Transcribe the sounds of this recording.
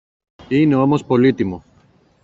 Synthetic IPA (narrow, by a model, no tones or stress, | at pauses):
ineomospo̞lit̪imo